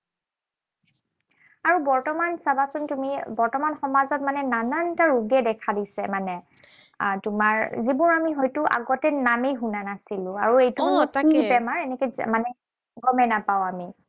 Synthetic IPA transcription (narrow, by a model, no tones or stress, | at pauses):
aɹubɔɹtɔmansabasʊntumibɔɹtɔmanxɔmazɔt̚manɛnanantaɹuɡɛdɛkʰadisɛmanɛ | tumaɹzibuɹamiɦɔjtʊʔa̰ɡɔtɛnamejɦunanasilʊ̃a̰ɹuejtuɔtibɛmaɹɛnɛkɛmanɛ | ɡɔmɛnapaʊami